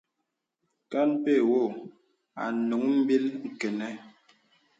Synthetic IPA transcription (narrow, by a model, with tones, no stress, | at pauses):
ka˦npe˦˨wo˦˨ | a̰˨nu˨˦ŋm̩˦bi˦lŋ̩˨kɛ˨nɛ˦